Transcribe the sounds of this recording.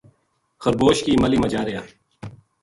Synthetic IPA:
xɐɾboːʃkiːmɐliːmɐd͡ʒaːɾejaː

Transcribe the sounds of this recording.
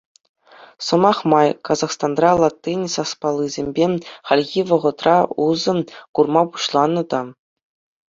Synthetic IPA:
sɤ̆mɑχmɑjkɑzɑχst̪ɑnrɑlˠɑt̪ʲːinʲsɑspɑlˠːɯzʲemʲbʲeχɑlʲɣʲiʋɤ̆ʁɤ̆t̪rɑuzɤ̆kurmɑpu̥ɕlˠɑnːɤ̆d̪ɑ

